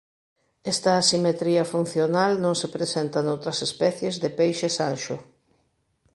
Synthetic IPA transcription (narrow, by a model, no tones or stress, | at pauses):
ɛst̪ɐːsimet̪ɾiɐfun̟θjonalnõŋsepɾesɛnt̪ɐnowt̪ɾɐsespɛθjezðepejʃesanʃʊ